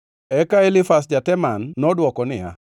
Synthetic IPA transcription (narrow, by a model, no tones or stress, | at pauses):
ɛkaelɪfasd͡ʒatɛmanːɔdwɔkɔnɪa̰